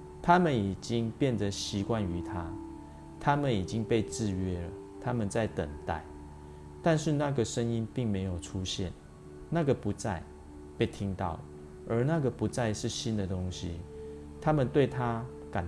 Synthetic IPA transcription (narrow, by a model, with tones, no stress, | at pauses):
t̪ʰa˦mə˨ni˨˩t͡ɕi˦˥ŋpjɛ˥˨nd̪ə˨ɕi˧˥kwa˥˨ny˧˦t̪ʰa˦ | t̪ʰa˦mə˨ni˨˩t͡ɕi˦˥ŋpe˥˧ɪt͡sɹ̩˥˨ɥɛ˦lə˨˩ | t̪ʰa˦mə˨nt͡sa˥˩ɪt̪ə˨˩ŋt̪a̰˥˩ɪ | t̪a˥˧nʂɻ̩˥˧na˥˩ɡə˩ʂə˦ŋi˦npi˥˩ŋme˧ɪjo˨˩ʊʈ͡ʂʰu˦ɕjɛ̰˥˨n | na˥˩ɡə˩pu˨˦t͡sa˥˨ɪ | pe˥˩ɪt̪ʰi˦˥ŋt̪ɑ̰˥˩ʊ | ə˧˥na˥˨ɡə˨˩pu˨˥t͡sa˥˧ɪʂɻ̩˥˩˨ɕi˦nd̪ə˨t̪ʊ˦˥ŋɕi˦ | t̪ʰa˦mə˨nt̪we˥˨ɪt̪ʰa˦ | ka˨˩n